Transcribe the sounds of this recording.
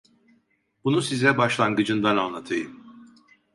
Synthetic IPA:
bunusizɛbaʃlˠanɡɯd͡ʒɯnd̪ananlˠat̪ʰɯjɯm

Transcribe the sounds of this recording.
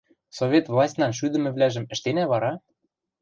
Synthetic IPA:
sovʲet̪vlˠɑsʲtʲnɑnʃ̬yd̪ɘ̆mɘ̆βlæʒɘ̆mɘ̆ʃt̪enæβɑɾɑ

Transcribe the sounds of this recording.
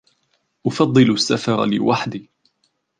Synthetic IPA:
ʔʊfɑd̪ˤːɨlsːafɑɾ̰ˤlɪ̰waħd̪iː

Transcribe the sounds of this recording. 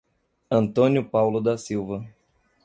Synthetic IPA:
ɐ̃nt̪õnjʊpawlʊd̪ɐsiwvɐ

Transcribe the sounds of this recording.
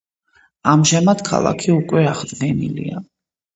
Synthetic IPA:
amʒamad̪̥kʰa̰lˠa̰kʰiukʼwɛaʁd̪ɡɛnḭlḭa

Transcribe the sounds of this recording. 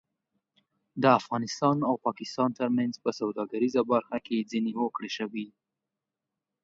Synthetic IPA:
d̪əafɣɑnɪst̪ɑnawpɑkɪst̪ɑnt̪əɾmanzpəsawd̪ɑɡaɾizabaɾxaked͡zineɦokɽeʃəwi

